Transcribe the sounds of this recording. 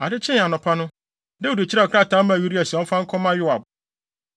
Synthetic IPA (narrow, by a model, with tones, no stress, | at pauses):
a˨dɪ˦t͡ɕʰɪ̃˦n˨a˨nɔ̃˨pʰa˦nʊ̃˦ | dɛ˦o˨de˨t͡ɕʰɪ˦ɾa˦˨ɔ˨kʰɾa˦˨tʰã˦mã˨ju˦ɾi˦a˨si˨ɔ̃˦fã˦ŋ̩˦kʰɔ̃˦mã˦jʊ˦a˨b